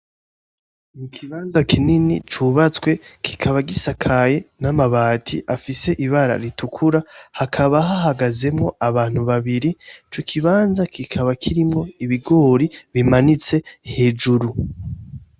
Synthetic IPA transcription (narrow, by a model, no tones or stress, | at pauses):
nikʰiβaːnzakininḭt͡ʃuβat͡swe̞kʰi̥kʰaβaɡisakʰajenamaβaːtʰḭʔafise̞ʔiβaɾa̰ɾitukʰuɾahakʰaβaɦaɦaɡaze̞mŋo̞aβaːn̥huβaβiɾit͡ʃo̞kʰiβaːnzakikʰaβakʰiɾimŋo̞iβiɡo̞ːɾiβimanit͡se̞he̞ːd͡ʒuɾu